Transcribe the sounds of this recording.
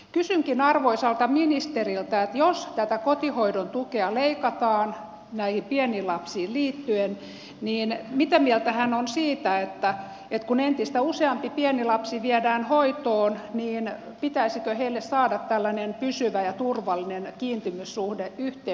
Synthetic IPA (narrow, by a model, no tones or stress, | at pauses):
kysyŋkinɑrʋoisɑlt̪ɑminist̪erilt̪ɑet̪jost̪æt̪ækot̪ihoidont̪ukeɑleikɑt̪ɑːn | næihimpieniːlɑpsiːlliːt̪ːyen | niːnmit̪æmiɛlt̪æhænonsiːt̪æet̪ːæ | et̪kunent̪ist̪æuseɑmpipienilɑpsiʋiɛdæːnhoit̪oːnniːn | pit̪æisikøheilːessɑːdɑt̪t̪ælːænenpysyʋæjɑt̪urʋɑlːinenkiːnt̪ymyssuhdeyht̪e